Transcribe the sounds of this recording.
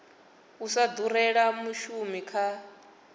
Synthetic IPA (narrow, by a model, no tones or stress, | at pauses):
usad̪uɾɛɺamuʃumikʰa